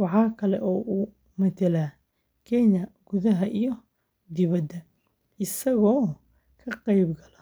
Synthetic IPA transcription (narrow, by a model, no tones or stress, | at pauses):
wɑħɑːkʰɐlɛ̰ʔɔːʔu | mɐt̪ʰɛlaː | kʰɛjnɐɡ̥ʊðɐɦɐʔijɔ | d̪ɪβɐd̪ɐ | ɪsɐɣɔː | kʰɐqɛjbɡɐlɐ